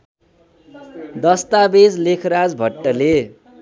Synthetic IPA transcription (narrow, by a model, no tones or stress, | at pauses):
d̪ʌst̪abed͡zlekʰɾad͡zbʱʌʈːʌle